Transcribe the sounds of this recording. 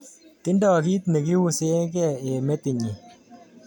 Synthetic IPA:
ti˦ndɔ˨k̬i˦tne˨k̬i˦wu˦se˦k̬ɛ˦˨e˨me˦ti˨ɲi˨

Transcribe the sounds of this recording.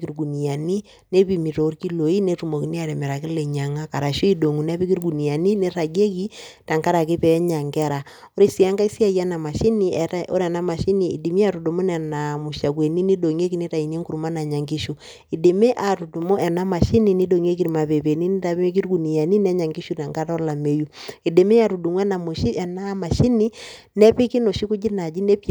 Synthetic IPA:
ki˨ɾɡu˨ni˨ja˨ni˦ | ne˦pi˨mi˨ɾo˨˦ɾki˦lo˨i˦ne˦tu˨mo˨ki˦ni˦a˨ɾɛ˨mɛ˨ɾa˨kɪ˦lɛ˨ɲa˨ŋa˦ka˨ɾa˨ʃu˦i˦do˨ŋu˨na˦pi˦ki˦ɾɡu˨ni˨ja˨ni˦ne˦ɾa˨ɡe˦ki˦ta˨ŋka˦ɾa˨ki˦pɛ˨˦ɲa˨ŋkɛ˦ɾa˨ | o˦ɾi˦si˨a˦ŋka˦i˦si˦a˦ja˦na˨ma˨ʃi˦ni˦˨a˦o̰˦ɾɛ˨na˦ma˨ʃi˦ni˨ḭ˨di˨mi˦a˨ɾu˨do˨mo˦nɛ˨na˨mu˨ʃa˨k̬we˨ni˦ni˦do˨ŋe˦ki˨ni˦ta˨i˨ni˦ŋku˨ɾu˨ma˦na˨ɲa˨ŋɡi˦ʃu˨ | i˨de˨me˦ʔa˨tu˨du˨mo˦ʔɛ˨na˦ma˨ʃi˦ni˨ni˦do˨ŋe˦k̬i˨ɾi˨ma˨pe˨pe˨ni˦n˦ta˨pe˦k̬i˦u˦ku˨ni˨ja˨ni˦nɛ˦ɲa˨ŋɡi˦ʃu˦ta˨ŋka˦ɾɔ˦la˨me˨ju˦i˨de˨me˦a˨ɾu˨du˨mwɛ˦na˨mu˨ʃi˦ʔɛ˨na˦ma˨ʃi˦ni˦ | nɛ˦pi˦ki˦no˨ʃi˦ku˦d͡ʒi˦na˨d͡ʒi˦nɛ˦p

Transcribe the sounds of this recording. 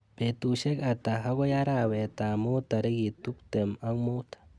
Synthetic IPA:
pe˨t̪u˨ʃe˦ka˨t̪a˨ɦa˦ɡʷo˦ja˦ɾawe˨t̪a˨mo˦t̪a˨ɾi˦ɡi˨t̪u˦kt̪e˨ma˦ŋmo˦t̪ḁ

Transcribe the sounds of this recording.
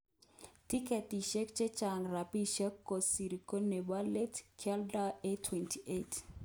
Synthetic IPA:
ti˦kɛ˨tiʃɛ˦kt͡ʃe˦t͡ʃaŋɾa˨pi˦ʃɛ˦kːo˨si˨ɾiko˦neba˦le˦tkʰɛldaetʰwɛntʰiʔet

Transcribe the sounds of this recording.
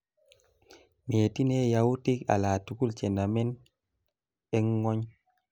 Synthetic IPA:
meːti˦nɛ˦jawu˦ti˦ka̰˨laː˨tuku˦lt͡ʃɛ˨na˨mɛ˦n | ɛ˦ŋŋɔ˦ɲ

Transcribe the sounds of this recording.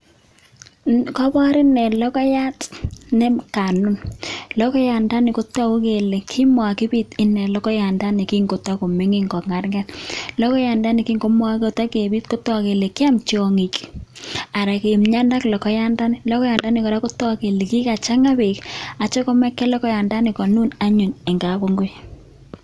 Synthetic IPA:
kɔ˦bɔ˦ɾɪ˦nɛ˨lɔ˦kɔ˦ja˦tnɛ˦ka˨nʊ˦nlɔ˦kɔ˦ja˨nda˦nɪ˨ko˦tɔ˦o˦ke˨le˨kʰi˦mwa˨ki˦bi˦tɪ˦nɛ˨lɔ˦kɔ˦ja˨nda˦ni˨ki˦ŋɡo˨tɔ˦ko˨mɪ˦ŋi˦ŋɡɔ˨kŋa˨rŋɛ˦tlɔ˦kɔ˦ja˨nda˦ni˨ki˦ŋɡo˦mwa˦ko˨ta˦ke˨bi˦tko˦tɔ˦ke˨le˨ki˦a˦mt͡ʃɔ˨ŋi˨k | a˨ɾa˨ke˨mɲa˦nda˦klɔ˨kɔ˨˦ja˦nda˦nɪ˦lɔ˦kɔ˦ja˨nda˦ni˨kɔ˨ɾa˦ko˦tɔ˦ke˨le˨ki˦ka˨t͡ʃa˦ŋa˦be˨ka˨t͡ʃɔ˦ko˦mɛ˦kːɛ˦lɔ˦kɔ˦ja˨nda˦nɪ˨kɔ˨nu˦na˦ɲu˨ne˨ŋɡa˨bo˦ŋɡo˦j

